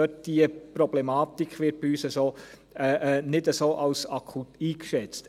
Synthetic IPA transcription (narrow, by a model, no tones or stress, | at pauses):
øt̚d̥iəpɾɔblɛmɑːt̪ikχʋɪɾt̚b̥iyːsəsoː | ɛʔnɪdəsoːʔɑʊsɑkʰutiːkʃɛt͡st